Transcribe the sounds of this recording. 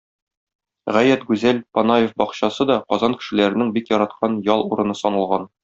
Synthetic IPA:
ʁæjæt̪ɡʉzælpɒnajefbɒqɕɑsɤd̪ɒqɒzɑŋkɘ̥̆ʃɘ̆læɾɘ̆nɘŋbikjɒɾɑt̪̚qʰɑnjɒlˠuɾɤ̆nɤsɒnɤ̆lˠʁɑn

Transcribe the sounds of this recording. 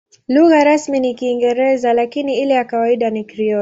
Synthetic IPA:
luɣaɾasminikiːŋɡɛɾɛzalakiniilɛjakawaiɗanikɾiɔ

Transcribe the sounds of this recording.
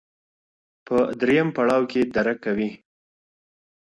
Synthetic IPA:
pəd̪ɾejampaɽɑwked̪aɾakːawi

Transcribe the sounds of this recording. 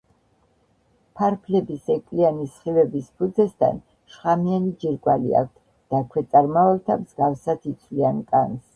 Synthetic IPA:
pʰaɾpʰlɛbisɛkʼlianisχivɛbispʰud̪zɛst̪ʰa̰n | ʃχamianid͡ʒiɾɡwalḭa̰k̚ʷʰt̪ʰ | d̪̥akʰwɛt̪sʼaɾmavɛlt̪ʰamzɡafsat̪it̪sʰvliankʼans

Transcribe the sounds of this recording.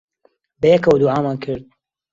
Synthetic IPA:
bɐjɛkɐwd̪uʕaːmaːnkʰɨɾd̪̚

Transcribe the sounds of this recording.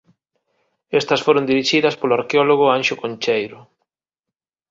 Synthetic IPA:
est̪ɐsfoɾond̪iɾiʃiðɐspolʊaɾkeɔloɣ̞ʊanʃʊkõnt͡ʃejɾʊ

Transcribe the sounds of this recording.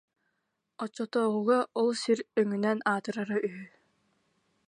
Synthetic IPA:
ɔt͡ɕːɔt̪ɔːʁuɣaʔɔlˠsiɾœŋynɛnaːt̪ɯɾaɾaʔyɦy

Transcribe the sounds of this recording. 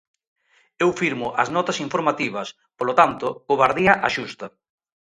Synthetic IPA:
ewfiɾmʊʔɐznɔt̪ɐsiɱfoɾmat̪iβɐs | polot̪ant̪ʊkoβaɾðiɐʔaʃust̪ɐ

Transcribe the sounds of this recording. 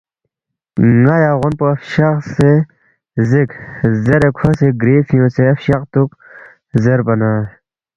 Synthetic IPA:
ŋajaːɣonpoɐfɕɐχse | zikzɐɾekʰoseɡɾiːfijõːt͡seɐfɕɐqt̪uk | zɐɾbɐnaː

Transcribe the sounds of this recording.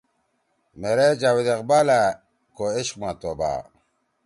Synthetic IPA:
meɾed͡ʑawid̪eqbalæ | koeɕqmat̪oba̰ː

